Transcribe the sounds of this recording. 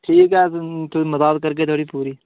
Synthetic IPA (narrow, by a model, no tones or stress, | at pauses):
ʈʰiːkɛt̪ʰoməzaːt̪̚kəɾɡeːt̪ʰoːɽiːpuːɾiː